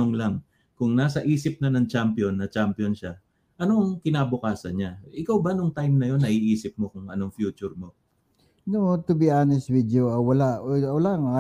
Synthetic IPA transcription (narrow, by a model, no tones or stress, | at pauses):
oŋlaŋ | kʊŋnaːsɐʔiːsɪp̚nɐnɐŋt͡ʃampjo̞nːɐt͡ʃampjo̞nʃa | ʔɐno̞ɐŋkɪnaːbʊkaːsɐnɲaʔɪkawbanʊŋt̪ajmnɐjo̞nːɐʔiʔiːsɪp̚mo̞kʊŋʔɐno̞ŋfjuːt͡ʃʊɾmo̞ | not̪ʊbiʔaːnɛswid̪joɐwɐlaʔolaʔŋa